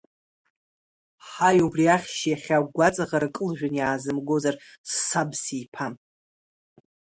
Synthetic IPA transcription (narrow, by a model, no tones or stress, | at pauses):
ħajubriaχʲʃjaχʲaɡʷat͡sʼaʁaɾkʼɨlʒᶣanjaːzɨmɡo̞zar | sːabsijpʰam